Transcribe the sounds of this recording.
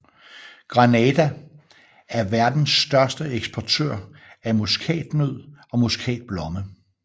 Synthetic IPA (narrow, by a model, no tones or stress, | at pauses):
ɡ̥ʁɑnɛd̥æ | æɐʋæɐd̥n̩sd̥ɶɐsd̥əeɡ̥sb̥ʰɒt͡sʰø̰ɐ̰æmuskʰɛ̰ːd̥møð̰ˠɒ̽muskʰɛ̰ːd̥̚b̥lɒ̽mə